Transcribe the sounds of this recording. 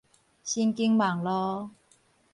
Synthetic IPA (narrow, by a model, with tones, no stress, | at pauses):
ɕi˧˥nki˧˥ŋma˨˩ŋlɔ˧˥